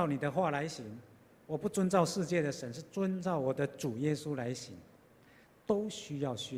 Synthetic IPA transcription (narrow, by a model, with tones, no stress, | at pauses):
ʊni˨˩d̪ə˦xwa˥˨la˧˦ɪɕi˧˥ŋ | wɔ˨˩pu˥˩t͡swə˦˥nt͡sɑ˥˧ʊʂɻ̩˥˧t͡ɕjɛ˥˩d̪ə˩ʂə˧˦nʂɻ̩˥˩t͡swə˦˥nt͡sɑ˥˩ʊwɔ˨˩d̪ə˦ʈ͡ʂu˨˩jɛ˦su˦la˧˦ɪɕi˨˧˦ŋ | t̪o˦ʊɕy˥jɑ˥˨ʊɕy˥